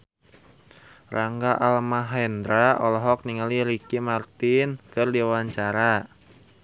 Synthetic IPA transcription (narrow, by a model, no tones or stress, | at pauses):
rʔaŋɡaʔalmaɦɛnd̪ɾaʔɔlɔɦɔk̚niŋaliɾikimart̪ɪnkɨrdiawaɲt͡ʃaɾa